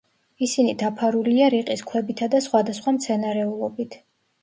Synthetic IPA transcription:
isinid̪apʰaɾuliaɾiqʼiskʰwɛbit̪ʰad̪asχwad̪asχwamt̪sʰɛnaɾɛulˠɔbit̪ʰ

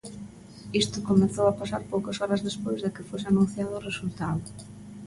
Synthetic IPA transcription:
ist̪ʊkomeθowapasaɾpowkɐsɔɾɐzðespojzðɪkɪfosɪanũn̟θjaðʊːresult̪aðʊ

